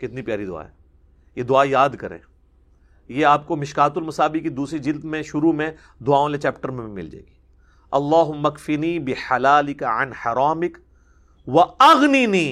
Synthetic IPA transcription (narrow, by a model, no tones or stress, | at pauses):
kɪt̪nipjaːɾid̪ʊa̰ːɦɛ̰ː | jed̪ʊaːjaːd̪kɐɾḛ̃ː | jeaːp̚komɪʃkaːt̪ʊlmɐsaːbikid̪uːsɾid͡ʒɪld̪mẽʃʊɾumẽ | d̪ʊaːõlet͡ʃɛːpʈəɾmẽbʱimɪ̰ld͡ʒa̰eɡiː | ɐlːaːɦʊmːɐkfɪniːbɪħalaːlɪkaʕɐ̰nħɐɾaːmɪk | ʋɐɐɣniniː